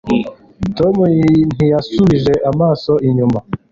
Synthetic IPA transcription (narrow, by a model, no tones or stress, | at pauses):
to̞mun̥ijasuβiʒe̞ʔamaːso̞ʔiɲuma